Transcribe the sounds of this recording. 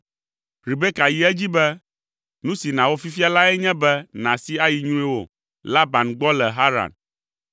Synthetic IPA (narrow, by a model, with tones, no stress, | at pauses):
ɾi˨be˦ka˨ji˨ɛ˦d͡ʑi˦bɛ˦ | nũ˦si˨nã˨wo˦fi˦fi˦a˦la˦ɛ˦ɲɛ̃˦bɛ˦nã˨si˦a˦ji˨ɲ̃˦ũ˦i˦wo̰˨ | la˦ba˨nɡ͡bɔ˦lɛ˨ɦa˦ɾa̰˨n